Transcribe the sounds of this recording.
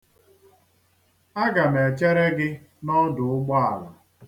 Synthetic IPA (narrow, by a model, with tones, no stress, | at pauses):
a˦ɡa˨m˨e˨t͡ʃe˦ɾe˦ɡɪ˦ | nɔ˦dʊ˨ʊ˦ɡ͡bɔ˦a̰˨lɔ˨